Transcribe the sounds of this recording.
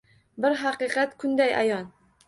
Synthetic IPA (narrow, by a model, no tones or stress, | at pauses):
bɪɾɦɑqɨqɑt̪kʰʊnd̪ajʔa̰jɒn